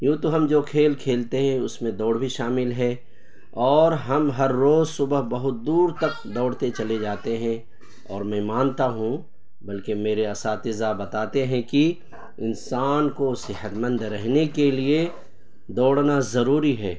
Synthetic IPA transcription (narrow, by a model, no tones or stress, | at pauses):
jũːt̪oɦɐmd͡ʒoːkʰeːlkʰeːlt̪eɦɛ̃ʊsmẽd̪ɔːɽbʱiʃaːmɪlɦɛː | ɔːɾɦɐmɦɐɾːoːzsʊbəɦbɐɦʊt̪̚d̪uːɾt̪ɐk̚ | d̪ɔːɽ̤t̪et͡ʃɐled͡ʒaːt̪eɦɛ̃ | ɔːɾmɛ̃mãːnt̪aɦũ | bɐlkemeːɾeɐsaːt̪ɪzabɐt̪aːt̪eɦɛ̃ki | ɪnsaːnkosɪɦət̪mə̃nd̪ɾɛɦnekelie | d̪ɔːɽnazɐɾuːɾiɦɛː